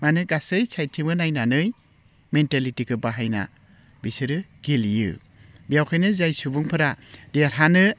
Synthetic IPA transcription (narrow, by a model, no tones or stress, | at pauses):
manɯɡasɯjsʰajtʰimɯnajnanɯj | mentalitiɡɯbaɦajna̰ | bisɯɾɯɡ̥ilijɯ̰ | bijawkʰajnɯzajsubuŋpʰɯɾadeɾɦanɯ